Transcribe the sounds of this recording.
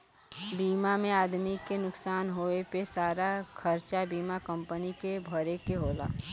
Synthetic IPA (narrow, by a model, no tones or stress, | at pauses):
biːmamẽaːd̪mikenʊksaːnɦoepesaːɾakʰəɾt͡ʃabiːmakə̃mpənikebʱəɾekeɦoːla̰ː